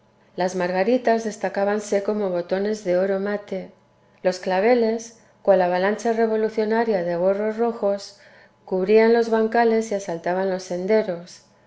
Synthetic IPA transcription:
lazmaɾɣaɾit̪azðe̞st̪akaβanse̞ko̞mo̞βo̞t̪o̞ne̞zðe̞o̞ɾo̞mat̪e̞ | lo̞sklaβe̞le̞s | kwalaβalant͡ʃare̞β̞o̞luθjo̞naɾjaðe̞ɣ̞o̞ro̞zro̞xo̞s | kuβɾianlo̞zβaŋkale̞siasalt̪aβanlo̞sːe̞nd̪e̞ɾo̞s

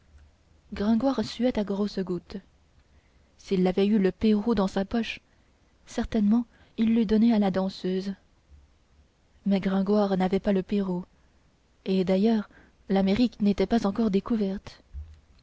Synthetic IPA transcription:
ɡʁɛ̃ɡwaʁsyɛt̪aɡʁosəɡut̪ | silːavɛyləpeʁud̪ɑ̃sapɔʃ | sɛʁt̪ɛnmɑ̃ | ilːyd̪ɔnealad̪ɑ̃søːz | mɛɡʁɛ̃ɡwaʁnavɛpaləpeʁu | ed̪ajœːʁ | lameʁiknet̪ɛpazɑ̃kɔʁd̪ekuvɛʁt̪

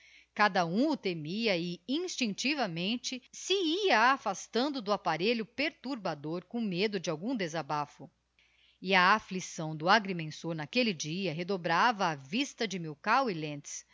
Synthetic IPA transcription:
kad̪ɐũʊt̪emiɐɪĩst͡ʃĩt͡ʃivɐmẽnt͡ʃɪsɪiɐaːfast̪ɐ̃nd̪ʊd̪ʊapaɾeʎʊpeɾt̪uɾbad̪oɾkõmed̪ʊd͡ʒɪawɡũd̪ezabafʊ | ɪɐːflisɐ̃w̃d̪ʊaɡɾimẽsoɾnakelid͡ʒiɐɦed̪obɾavɐːvist̪ɐd͡ʒɪmiwkawilẽnt͡ʃɪ̥s

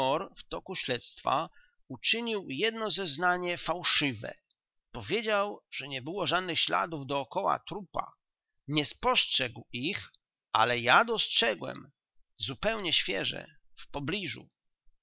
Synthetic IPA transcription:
ɔɾft̪ɔkuɕlɛt̪st̪fa̰ | ut͡ʂɘɲiwjɛd̪nɔzɛznaɲɛfawʂɘvɛ̰ | pɔvʲjed͡ʑawʐ̥ɛɲɛbɘwɔʐad̪nɘxɕla̰d̪uvd̪ɔːkɔwa̰t̪ɾupa̰ | ɲɛspɔstʂɛɡwix | ʔa̰lɛjad̪ɔstʂɛɡwɛ̰m | zupɛwɲɛɕfʲjɛʐɛ̰ | fpɔblʲiʐṵ

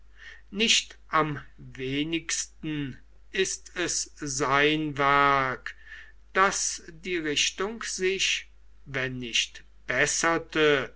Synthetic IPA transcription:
nɪʃtʔamveːnɪkstn̩ | ɪstɛszaɪnvɛɐk | d̥asdiːʁɪʃtʊŋkz̥ɪʃ | vɛnːɪʃt | b̥ɛsɐtə

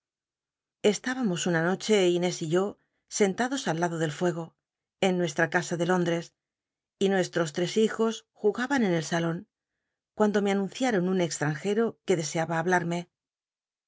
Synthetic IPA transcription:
e̞st̪aβamo̞sunano̞t͡ʃe̞ine̞siʝo̞ | se̞nt̪aðo̞salːaðo̞ðe̞lfwe̞ɣ̞o̞ | e̞nːwe̞st̪ɾakasaðe̞lo̞nd̪ɾe̞s | inwe̞st̪ɾo̞s̬t̪ɾe̞sixo̞sxuɣaβane̞ne̞lsalo̞ŋ | kwand̪o̞me̞anũnθjaɾo̞nune̞kst̪ɾaŋxe̞ɾo̞ke̞ðe̞se̞aβaːβlaɾme̞

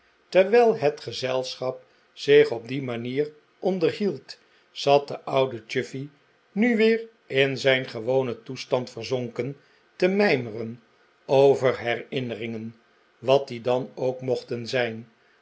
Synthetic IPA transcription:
təɹʋɛjlˠɦətχəzɛlˠsχɑp̚ | z̥ɪχɔb̚dimaniːr | ʔɔndəɹɦilˠt | z̥ɑt̚dəʔʌwdət͡ʃʏfi | nyʋɪːr | ɪnzɛjnχəʋownətustɑntfərzɔŋkən | təmɛjmərən | owvəɹɦɛrɪnərɪŋən | ʋɑt̚didɑnowkmɔχtənzɛjn

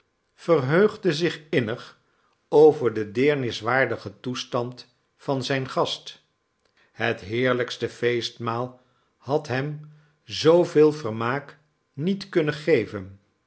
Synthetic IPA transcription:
fərɦøɥχdəzɪχɪnəχ | owvəɹdədɪːɹnɪsʋaːɹdəχətustɑnt | fɑnzɛjnχɑst | ɦətɦɪːɹləkstəfejstmaːlˠ | hɑtɦɛm | zowvɪːlˠvərmaːk | nitkɵnəχejvən

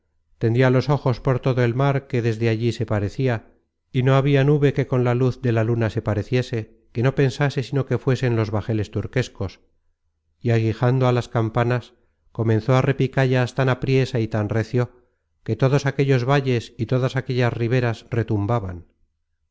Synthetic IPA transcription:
t̪end̪ialo̞so̞xo̞spo̞ɾt̪o̞ðoe̞lmaɾke̞ðe̞zðe̞aʎise̞paɾe̞θia | ino̞aβianuβe̞ke̞ko̞nlaluθd̪e̞lalunase̞paɾe̞θje̞se̞ | ke̞no̞pe̞nsase̞sino̞ke̞fwe̞se̞nlo̞zβaxe̞le̞st̪uɾke̞sko̞s | iaɣixand̪oalaskampanas | ko̞mẽ̞nθo̞are̞pikaʎast̪anapɾje̞sait̪anreθjo̞ | ke̞t̪o̞ðo̞sake̞ʎo̞zβaʎe̞sit̪o̞ðasake̞ʎasriβ̞e̞ɾasre̞t̪umbaβan

